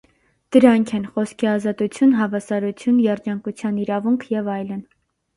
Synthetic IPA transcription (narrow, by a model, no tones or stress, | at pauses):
d̪̥əɾɑŋkʰɛnχɔskʰiɑzɑt̪ut͡sʰjunɦɑvɑsɑɾut͡sʰjunjɛɾd͡ʒɑŋkut͡sʰjɑniɾɑvuŋkʰjɛvɑjlən